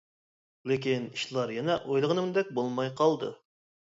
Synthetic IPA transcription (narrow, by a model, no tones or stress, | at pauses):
lek̬ʲiniʃlˠɑɾjɛnɛʔojlˠəʁənɨmd̪ɛk̚ʲbolˠmɑjqɑlˠd̪ɨ̰